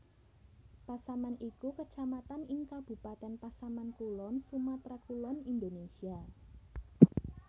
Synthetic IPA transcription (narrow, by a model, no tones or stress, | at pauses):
pasamanikukət͡ʃamat̪anɪŋkab̥ṳpat̪ɛnpasamankulɔnsumat̪ɾakulɔnind̪onesia